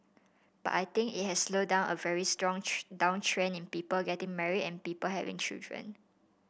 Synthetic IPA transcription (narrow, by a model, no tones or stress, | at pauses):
b̥a̰tajt̪ɪ̃ŋkḭt̚hɛsːlodãʊ̃nʔəvɛɹistɹɔ̃ŋdãʊ̃ŋtʰɹẽnĩnpiːpəlɡɛtɪ̃ŋmɛɹiɛ̃npiːpəlɦɛ̰vɪ̰̃ŋt͡ʃḭldɹə̰̃n